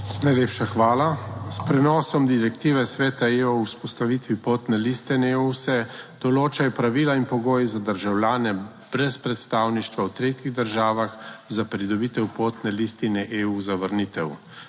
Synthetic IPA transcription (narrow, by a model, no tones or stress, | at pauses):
najleːpʃaxʋaːlaspɾɛnɔːsɔmd̪iɾɛkt̪iːʋɛsʋɛːt̪aeɔuspɔst̪aʋiːt̪ʋipoːt̪nɛlist̪ɛneusɛd̪̥ɔloːt͡ʃajpɾaʋiːlainpɔɡoːjizad̪əɾʒawlʲjaːnɛ | b̥ɾɛspɾɛt̪st̪aːwniʃt̪ʋawt̪ɾeːt̪jiɣd̪əɾʒaːʋaxzapɾid̪ɔbiːt̪ɛwpoːt̪nɛlist̪inɛʔeuzaʋəɾniːt̪ɛw